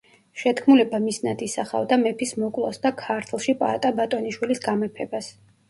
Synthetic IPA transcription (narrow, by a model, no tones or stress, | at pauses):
ʃɛt̪kʰmulɛbamisnad̪isaχa̰vd̪amɛpʰismɔkʼlˠɔ̰sd̪akʰaɾt̪ʰlˠʃipʼa̰t̪ʼabat̪ʼɔniʃwilisɡamɛpʰɛbas